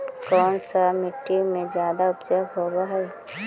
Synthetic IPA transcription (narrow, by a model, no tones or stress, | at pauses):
kɔːnsamɪʈːimẽd͡ʒjaːd̪aʊpd͡ʒəːɡɦoːwaɦɛː